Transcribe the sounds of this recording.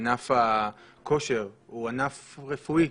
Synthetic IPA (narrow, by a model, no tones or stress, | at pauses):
nafa | ko̞ʃeʁuanafʁefui